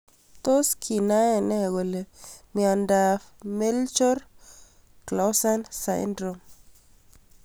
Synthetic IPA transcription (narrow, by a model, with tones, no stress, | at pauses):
t̪o˦skʰi˨na˦ɛ˨nɛ˦ɣo˨le˨mi˨a˨nda˨fme˦lt͡ʃɔ˦ɾ | kla˨wsa˦nsa̰˨ndɾo˨m